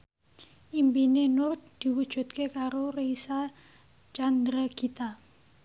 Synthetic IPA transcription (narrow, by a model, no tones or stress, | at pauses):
ʔimpinenʊrt̪̚d̪̥i̤wud̥ʒ̥ṳt̪̚kekaɾoreisa | t͡ʃand̪ɾaɡ̥it̪a